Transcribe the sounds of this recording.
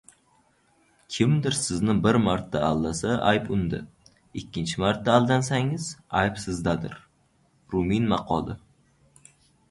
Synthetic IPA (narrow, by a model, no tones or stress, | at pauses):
kʲʰɪmd̪ɪɾsɪznɪbɪɾmaɾt̪ʰːa̰alˠːasaʔajpʊnd̪ɪ̰ | ɪkʲʰːɪnt͡ʃʰɪmaɾt̪ːaːlˠd̪ansaŋɪz̥ajpsɪzd̪ad̪ɪ̰ɾ | ɾʊminmɑqʰɒlˠɪ